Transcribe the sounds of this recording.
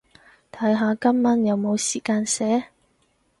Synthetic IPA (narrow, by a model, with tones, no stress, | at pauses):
t̪ʰɐ˨˥jɦaː˨˧kɐ˥mːɐ˧˥njɐ˨˧wmo˨˧wsiː˨˩kaː˧nsɛː˨˥